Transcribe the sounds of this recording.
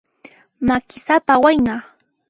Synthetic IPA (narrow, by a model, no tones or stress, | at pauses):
makɪsapawajnɑχ